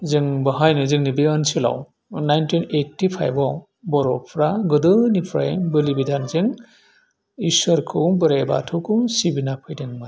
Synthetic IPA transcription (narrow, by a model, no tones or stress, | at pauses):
zɯŋbɯɦajnɯzɯŋnibiɐnsila̰w | najntʰinetːipʰa̰jbɔw | bɔɾɔpʰɾaɡɯdɯnipʰɾa̰jbɯlibidʱanzɯŋ | isɔɾkʰɯbɯɾaba̰tʰɯkʰɯsibinapʰɯjdɯŋma